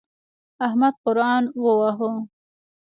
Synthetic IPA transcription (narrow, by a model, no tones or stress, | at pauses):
ahmad̪̚qʊɾɑːnwəwaɦo